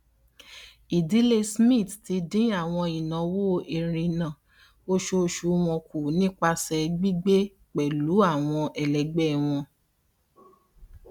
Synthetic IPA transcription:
i˨di˨˦le˧smĩ˦˨tti˨˧dĩ˦a˦˨w̃ɔ̃˧i˨nã˨˦wo˦˨˦ʔe˨ɾ̃ĩ˧nã˨ | o˦ʃo˦ʃu˨˦w̃ɔ̃˧ku˨nĩ˦k͡pa˧sɛ˧˨ɡ͡bi˦ɡ͡be˦ | k͡pɛ˨lu˨˦a˦˨w̃ɔ̃˧ʔɛ˨lɛ˨ɡ͡bɛ˦˨w̃ɔ̃˧

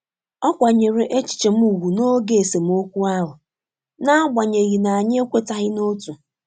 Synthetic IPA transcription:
ɔ˦kʷa˨ɲe˨ɾe˨ʔe˦t͡ʃi̥˨t͡ʃe˨m̩˦u˨ɣu˨no˦ɡe˨e˨se˨m̩˦o˦kʷu˦a˦ɦʊ˨ | na˦a˦ɡ͡ba˨ɲe˨ɣi˨na˨a˨ɲ˦e˦kʷe˦ta˦ɦɪ˦no˦tu˨

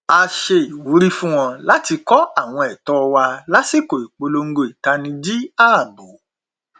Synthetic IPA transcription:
a˧ʃe˧i˨wu˨˦ɾi˦fũ˦w̃ɔ̃˧la˦ti˧kɔ˦a˦˨w̃ɔ̃˧ɛ˨tɔ˦˧wa˧la˦si˦˨ko˨i˨k͡po˧lo˧ŋ̩˦ɡo˧i˨ta˧nĩ˧d͡ʒi˦a˦˨bo˨˦

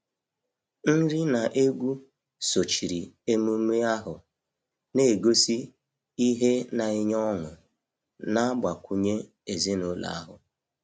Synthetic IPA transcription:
n̩˦ɾi˦na˨ʔe˦ɡʷu˦ | so˨t͡ʃi˨ɾi˨e˦mu˦me˦a˦ɦʊ˨ | ne˨ɡo˦si˦ | i˦ɦe˦na˨ɪ˦ɲɔ˦ŋʊ˨ | na˦ba˨kʷʰu˨ɲe˦ | e˨zi˦no˦la̰˨a˦ɦʊ˨

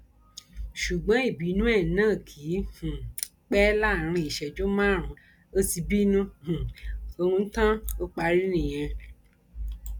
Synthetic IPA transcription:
ʃu˨ɡ͡bã˨˦i˦˨bi˨˦nũ˦ɛ˦˨nãː˦˨kʰi˨˦hũ˨ | k͡pɛ˦la˦˨ɾ̃ĩ˧i˨ʃɛ˨d͡ʒo˦mã˦˨ɾ̃ũ˨˦ | o˦ti˧bi˦nũ˦hũ˨o˧ɾ̃ũ˧n̩˦tã˦o˦k͡pa˧˦ɾi˦nĩ˦˨j̃ɛ̃˧

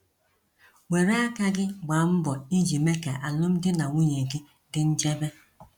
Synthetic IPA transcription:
wʷe˨ɾe˦a˦ka˦ɡɪ˦ɡ͡ba˨˦m̩˦bɔ˨i˦d͡ʒi˨me˦ka̰˨ʔa˨lʊ˦m̩˦dɪ˦na˨ŋʷu˦ɲe˨ɡi˦ | dɪ˦n̩˦d͡ʒe˦be˦

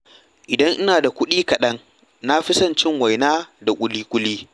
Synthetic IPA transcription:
ʔɪ˨dɐ˦ŋʔɪ˦naː˨da˨kʷʊ˦ɗiː˦kɐ˨ɗɐ˦ŋ | na˦ɸɪ˦sɐ˦˨nt͡ʃɪ˦ŋwa˨jnaː˦da˨kʷʼʊ˨˦liː˦kʷʼʊ˦liː˦

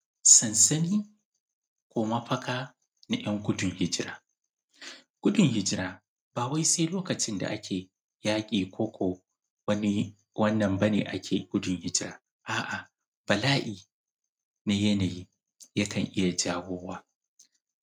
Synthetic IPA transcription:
sɐ˨nsɐ˦niː˦ | kʷoː˨mɐ˦ɸɐ˦kaː˦ | na˨j̰ɐ˦ŋkʷʊ˦dʊ˨ŋhɪ˦d͡ʒɪ˦ɾa̰ː˦ | kʷʊ˦dʊ˨ŋhɪ˦d͡ʒɪ˦ɾaː˦ | baː˨wa˦jse˦jloː˦kɐ˨t͡ʃɪ˦nda̰˨ʔa˦kʲʰeː˨ | jaː˦kʲʼiː˨kʷʰoː˦kʷoː˨ | wɐ˦ni˦ | wɐ˦nːɐ˨mbɐ˦nḛː˨ʔa˦kʲʰeː˨ɡʷʊ˦dʊ˨ŋhɪ˦d͡ʒɪ˦ɾaː˦ | ʔaː˨ʔa˨ | b̥ɐ˨laː˦ʔiː˨ | na˦jɐ˦na˨jiː˦ | jɐ˦kʰɐ˨ŋʔɪ˦ja˨d͡ʒaː˦wʷoː˦waː˦

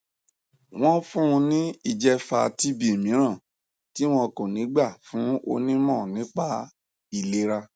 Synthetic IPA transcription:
w̃ɔ̃˦fũ˦ũ˧nĩ˦i˧˨d͡ʒɛ˧fa˧ti˦bi˦e˨mĩ˨˦ɾ̃ã˦˨ | ti˦w̃ɔ̃˧ko˨nĩ˨˦ɡ͡ba˦˨fũ˨˦o̰˧nĩ˦mɔ̃˦˨nĩ˨˦k͡pa˧ | i˨le˨˦ɾa˧

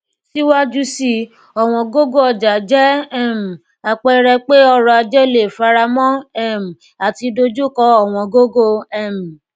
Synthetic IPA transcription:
si˦wa˦d͡ʒu˦si˧ | ɔ˨w̃ɔ̃˧ɡo˦ɡo˦ɔ˧d͡ʒa˨d͡ʒɛ˦ɛ˦˨m̩˨ | a˨k͡pɛ˧ɾɛ˧k͡pe˦ɔ˧ɾɔ˧a˧d͡ʒɛ˦le˨fa˧ɾa˧mɔ̃˦ɛ˦˨m̩˨ | a˨ti˧do˧d͡ʒu˦kɔ˧ɔ˦˨w̃ɔ̃˧ɡo˦ɡo˦ɛ˦˨m̩˨

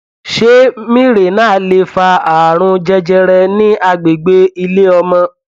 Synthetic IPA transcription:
ʃe˦mĩ˦ɾe˨nãː˦˨le˧fa˧a˨ɾ̃ũ˧d͡ʒɛ˧d͡ʒɛ˧ɾɛ˧nĩ˦a˧ɡ͡be˨ɡ͡be˦i˧le˦ɔ˧mɔ̃˧

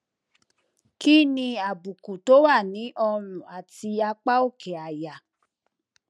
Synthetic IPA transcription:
ki˦nĩ˧a˨bu˨ku˨to˨˦wa˦˨nĩ˨˦ʔɔ˧ɾ̃ũ˨a˨ti˧a˧k͡pa˦o˦˨kɛ˨a˨ja˨

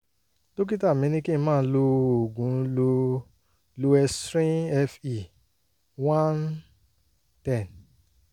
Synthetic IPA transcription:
to˦k̬i˦ta˦˨mĩ˨˦nĩ˦kĩ˦˧mãː˦˨˦lo˧o˨ɡũ˨˦lo˧ | lo˧ɛ˧stɾĩ˦ɛ˧fi˨ | wã˦n | tɛ̃˦˨n

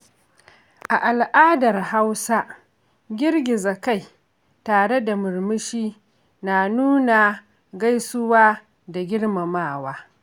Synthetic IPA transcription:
ʔa˨ʔa˨lʔaː˦dɐ˨rha˦wsa˦ | ɡʲɪ˦rɡʲɪ˨zɐ˨ka˦˨j | taː˨ɽe˦da˨mʊ˨ɾmɪ˦ʃiː˦ | na˨nuː˦na˨ | ɡa˦jsʊ˦waː˦ | da˨ɡʲɪ˦ɽma˨maː˦˨waː˦

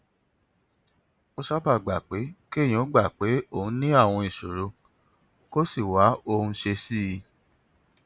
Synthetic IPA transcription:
o˧sa˦ba˦˨ɡ͡ba˨k͡pe˨˦kẽ˦˨ɔ̃˨˦ɡ͡ba˦˨k͡pe˨˦o˦˨ũ˦nĩ˦a˦˨w̃ɔ̃˧i˨ʃo˨ɾo˧ | ko˦si˦˨wa˨˦o˧hũ˧ʃe˧si˦˧

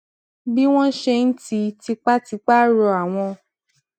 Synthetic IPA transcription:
bi˦w̃ɔ̃˦ʃe˧n̩˦ti˧˦ti˧k͡pa˦ti˧k͡pa˦ɾɔ˧a˨w̃ɔ̃˧

